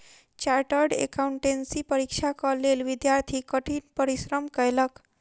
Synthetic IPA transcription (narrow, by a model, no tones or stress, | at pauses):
t͡ɕaɾʈəɾɖḛkauɳʈensipəɾikʂʰakəɾlelʋid̪jaɾt̪ʰikəʈʰiːnpəɾisɾəmkəjlək